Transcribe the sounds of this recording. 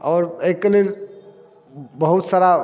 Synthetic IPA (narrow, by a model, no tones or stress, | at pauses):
ɔːɾejkəliɾ | bəɦut̪saɾa